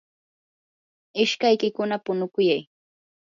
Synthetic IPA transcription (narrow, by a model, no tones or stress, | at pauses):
ɪʃkajkɪkʊnapʊnʊkʊjaj